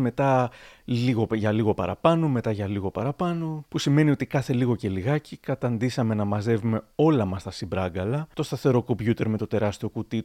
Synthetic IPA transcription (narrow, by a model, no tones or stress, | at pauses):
me̞t̪ɐliɣo̞ʝɐliɣo̞pɐ̰ɾɐ̰pɐno̞me̞t̪ɐʝɐliɣo̞pɐɾɐpɐno̞pusime̞nio̞t̪ikɐθe̞liɣo̞ce̞liɣɐcikɐt̪ɐnd̪isɐme̞nɐmɐze̞vume̞o̞lɐmɐst̪ɐsibɾɐɡɐlɐt̪o̞st̪ɐθe̞ɾo̞ko̞mbʝut̪e̞ɾme̞t̪o̞t̪e̞ɾɐst̪io̞kut̪i